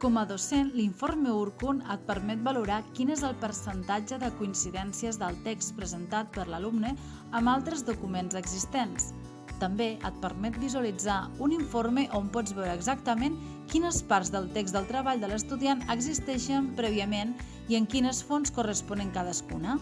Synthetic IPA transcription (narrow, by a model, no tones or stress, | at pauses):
kɔməðosenliɱformeuɾkunət̪̚pəɾmɛt̪̚bəluɾakinezəlˠpəɾsənt̪ad͡ʒəðəkuinsiðɛnsiəzðəlˠt̪ekst̪pɾəzənt̪at̪̚pəɾləlumnə | əmbalˠt̪ɾəzðukumenzəɡzist̪ens | t̪əmbeʔət̪̚pəɾmɛt̪̚bizuəlid͡zauniɱfoɾmeʔompɔd͡zβɛwɾəːɡzak̚t̪əmen | kinəspaɾzðəlˠt̪ekzðəlˠt̪ɾəβaʎd̪ələst̪uðianəɡzist̪ɛʃəmpɾɛβiəmen | iəŋkinəsfonskurəspɔnəŋkað̞əskunə